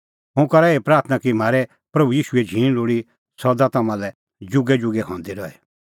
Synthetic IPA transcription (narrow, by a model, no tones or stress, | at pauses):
ɦʊ̃kɐɾaepɾaːɾt̪ʰnakim̤aːɾɛ | pɾɐbujiːʃuɛd͡ʒʱiːɽ̃loːɽi | sɔd̪at̪ɐmãlɛ | d͡ʒʊɡɛd͡ʒʊɡɛɦɔ̃nd̪iɾɔɛ